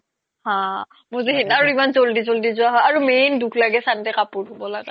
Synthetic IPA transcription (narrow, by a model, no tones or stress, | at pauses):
hã | mʊziɦitnaɹuimanzoldizoldizʊwaɦɔjaɹumenduklaɡɛsantɛkapʊɹʰʱobɔlaɡa